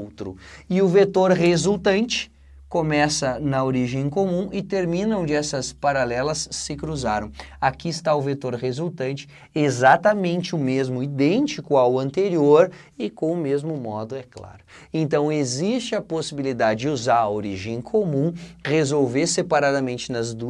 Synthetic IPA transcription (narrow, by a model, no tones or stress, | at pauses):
wt̪ɾʊɪʊvet̪oɾhezult̪ɐ̃nt͡ʃɪ̥ | komɛsɐnɐoɾiʒẽj̃komũɪt̪eɾmĩnɐõnd͡ʒɪɛsɐspaɾalɛlɐsːɪkɾuzaɾɐ̃w̃akiɪst̪aʊvet̪oɾʁezult̪ɐ̃nt͡ʃɪ̥ | ezat̪ɐmẽnt͡ʃɪʊmezmʊid̪ẽnt͡ʃikʊawɐ̃nt̪eɾioɾ | ɪkõw̃ʊmezmʊmɔd̪ʊɛkla̰ɾʊ | ẽnt̪ɐ̃w̃ezist͡ʃɪɐposibilid̪ad͡ʒɪd͡ʒɪuzaɾɐoɾiʒẽj̃kʰomũʁezowveɾsepaɾad̪ɐmẽnt͡ʃɪnɐzd̪u